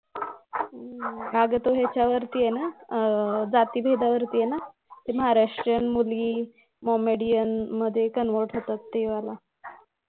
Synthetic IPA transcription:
baɡət̪oɦjat͡ɕjaʋəɾt̪iːjena | d͡zat̪iːbʱed̪aʋəɾt̪iːjena | t̪eməɦaɾaʂʈɾjənmulɡiː | mɔmeɽijənməd̪ʱːjekənʋəɾʈɦot̪at̪ːeʋala

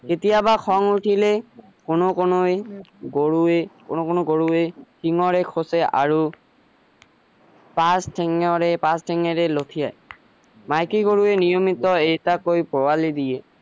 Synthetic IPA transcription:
ketijabakʰɔŋutʰilɛ | konokonojɡoɹuekonokonoɡoɹuekʰiŋɔɹɛkʰosɛa̰ɹu | pastʰɛŋɔɹɛpastʰɛŋɛɹɛlotʰija̰j | majkiɡoɹuɛnijɔmitɔejtakojpɔwalidijɛ

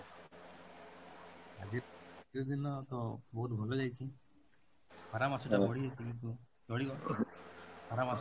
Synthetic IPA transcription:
a̰d͡ʒiiɾɔd̪inɔt̪ɔbɔɦut̪̚bʱolɔd͡ʒajt͡ʃʰi | pʰɔɾamasɔʈat͡ʃɔɽiɦɔjt͡ʃʰikint̪̬u | t͡ʃɔɽiɡɔ | pʰɔɾamas

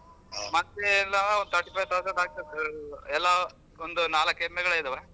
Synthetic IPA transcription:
mɐt̪ːelːaond̪ɐʈipɐjt̪asɐd̪aːk̚t̪ɐɛlːa | ond̪unaːlɐkːemːɛɡɐɭɐid̪ɐʋe

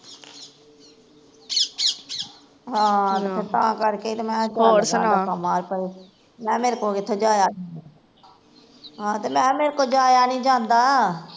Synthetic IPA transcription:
ɦãːt̪ːet̪ã̰ːkəɾkeit̪emɛ̃ːd͡ʒoːɾsəːnaaamaːɾpəiː | mɛ̃ːmeːɾkoːkɪt̪ʰːeːd͡ʒaːjaːd͡ʒaːna | ɦãːt̪eːmɛ̃ːmeːɾkoːd͡ʒaːjaːnĩːd͡ʒãːnd̪aː

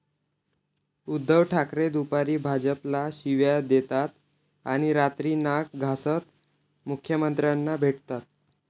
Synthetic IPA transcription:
ud̪ːəʋʈʰakɾed̪upaɾiːbʱad͡ʑəplaɕiʋjad̪et̪at̪ | aɽ̃iɾat̪ɾiːnak̚ɡʱasət̪ | mukʰːjəmənt̪ɾjanːabʱeʈt̪at̪̚

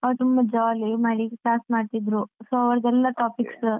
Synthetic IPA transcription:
ɐʋɾt̪umbɐd͡ʒaːlimaːɽiɡpaːsmaːɖt̪id̪ɾusoɐʋɐɾɐd̪ɛlːɐʈaːpiks

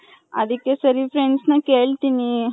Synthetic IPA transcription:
a̰d̪ikesəɾifɾeɳɖsnɐkeɭt̪ini

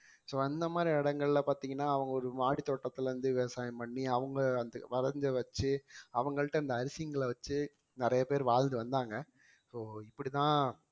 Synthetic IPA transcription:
soːɛnd̪ɐmaːd̪ɾiɪɽɐŋɡɐɭɪlɐpaːɾt̪iːŋɡɐnːaːɐʋɐŋɡɐɔɾɯmaːɽit̪ːoːʈːɐt̪ːɪlɾɯnd̪ɯʋɛʋɐsaːjɐmpɐɳːiɐʋɐŋɡɐɐnd̪ɐʋɐɾɐɾɲd͡ʒɐʋɐt͡ʃːɯɐʋɐŋɡɐɭɪʈːɐɪnd̪ɐɐɾɪsɪjɐŋɡɐɭʋɐt͡ʃːɯ | nɪɾɐjɐpeːɾʋaːɻnd̪ɯʋɐnd̪aːŋɡɐ | soːɪpːɐɽit̪ãː

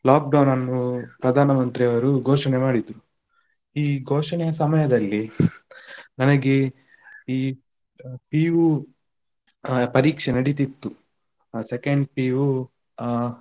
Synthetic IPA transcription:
laːk̚ɖɐwnɐnːupɾɐd̪ʱaːnɐmɐnt̪ɾiɐʋɐɾuɡʱoːʂɐnemaːɽid̪ɾu | iːɡʱoːʂɐnɛjɐsɐmɐjɐd̪ɐlːi | nɐnɐɡe | iː | piːʋu | pɐɾiːkʂɐnɐɽit̪it̪ːu | sekɐɳɖpiːʋu

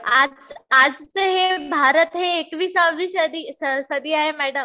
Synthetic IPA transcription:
ad͡zad͡zt͡səɦebʱaɾət̪ɦeːkʋiːsaʋiːɕəd̪iːsəsəd̪iːaɦemæɽəm

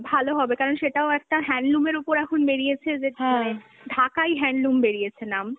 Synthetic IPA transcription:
bʱaloɦɔbekaɾonʃeʈaoɛk̚ʈaɦɛnɖlumeɾupoɾɛkʰonbeɽiet͡ɕʰed͡ʑemane | ɖʱakajɦɛɳɖlumbeɾijet͡ɕʰenam

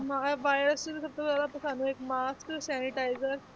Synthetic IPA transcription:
maʋajɾəst͡ɕilesəp̚t̪əbalat̪əsanũːekmasksæniʈajzəɾ

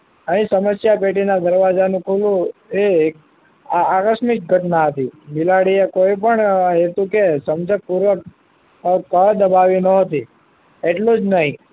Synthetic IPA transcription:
əɦĩsəməsjapeʈinad̪əɾʋad͡ʒanũkʰulũek̚ | aakəʃmik̚ɡʱəʈnaɦət̪ibilaɽiekoipəɳɦet̪ũkesəmd͡ʒəpuɾʋək | kəd̪əbaʋinəɦət̪i | eʈlud͡ʒnəɦĩ

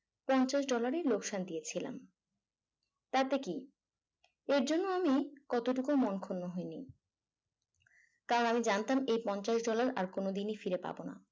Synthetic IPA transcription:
pɔnt͡ɕaʃɖɔlaɾelokʃand̪ijet͡ɕʰila̰m | t̪at̪eki | eɾd͡ʑonːoamikɔt̪oʈukomonkʰonːoɦoeni | kaɾonamid͡ʑant̪amejpɔnt͡ɕaʃɖɔlaɾa̰ɾkonod̪inifiɾepa̰bona̰

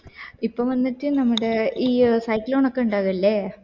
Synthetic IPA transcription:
ipːoːʋɐnːitːɨnɐmːɐɽeiːsɐjklo̞ːɳokːe̞uɳɖaːɣuɐlːe

